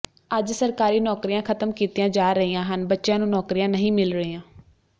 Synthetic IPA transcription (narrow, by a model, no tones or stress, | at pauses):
əd͡ʒsəɾkaːɾiːnɔːkɾijãːkʰət̪əmkiːt̪iːjãːd͡ʒaːɾəɦiːãːɦənbətːʃjãːnũːnɔːkɾijãːnəɦĩːmɪlɾəɦiːãː